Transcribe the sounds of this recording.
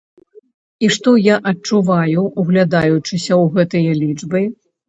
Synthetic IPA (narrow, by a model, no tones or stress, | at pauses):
iʂt̪ɔjaʔɐt͡ʂuvajuuɣlʲad̪ajut͡ʂɨsʲɐwɣɛt̪ɨjɐlʲit͡ʂbɨ